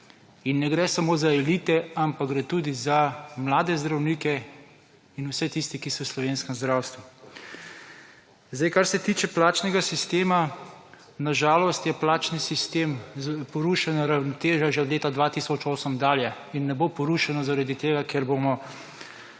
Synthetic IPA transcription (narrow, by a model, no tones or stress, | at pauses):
inːɛɡɾɛsamoːzaɛliːt̪ɛampaɡɡɾɛt̪uːd̪izamlaːd̪ɛzd̪ɾawniːkɛ | inusɛt̪ist̪ikisɔslɔʋeːnskɛmzd̪ɾaːwst̪ʋu | zd̪jkaɾsɛt̪iːt͡ʃɛplaːt͡ʃnɛɡasist̪eːma | naʒaːlɔst̪jɛplaːt͡ʃnisist̪eːmpɔɾuʃanaɾawnɔt̪eːʒaʒɛɔd̪leːt̪ad̪ʋat̪isɔt͡ʃoːsəmd̪aːljɛ | inːɛbopɔɾuːʃanɔzaɾad̪it̪eːɡakeɾbomɔ